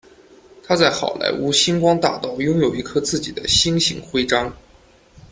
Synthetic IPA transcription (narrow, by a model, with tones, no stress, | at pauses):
t̪ʰa˥t͡sa˥˩ɪxɑ˨˩ʊlʔa̰˧˥ɪʔu˧˥ɕi˥nkwɑ˥ŋt̪a˥˩t̪ɑ˥˩ʊjʊ˥ŋjo˨˩ʊi˧˥kʰɤ˥t͡sɹ̩˥˩t͡ɕi˨˩d̪ə˦ɕi˥ŋɕḭ˧˥ŋxwe˥ɪʈ͡ʂɑ˥ŋ